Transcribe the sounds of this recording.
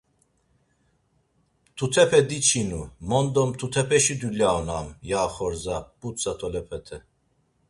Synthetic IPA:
t̪ʰut̪ʰɛpʰɛd̪it͡ʃʰinumɔnd̪ɔmt̪ʰut̪ʰɛpʰɛʃid̪ulaːnamjaːχɔɾzab̥ut͡sat̪ʰɔlɛpʰɛt̪ʰɛ

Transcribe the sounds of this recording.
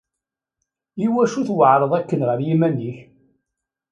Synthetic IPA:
iwæʃuθwəʕɾˤəðˤækːənʁəɾjimænːiç

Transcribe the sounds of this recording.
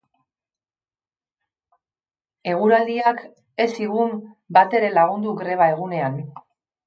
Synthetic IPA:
e̞ɣ̞uɾald̪iak | e̞siɣumbat̪e̞ɾe̞laɣund̪uɡɾe̞β̞ae̞ɣ̞une̞an

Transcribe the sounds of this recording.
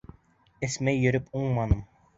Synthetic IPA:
ɘ̆smæjːɵ̆ɾɵpuɴmɑnɤm

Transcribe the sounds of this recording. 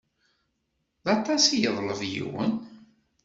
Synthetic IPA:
ðɑt̪ˤɑsijəðˤləvjḭwə̰n

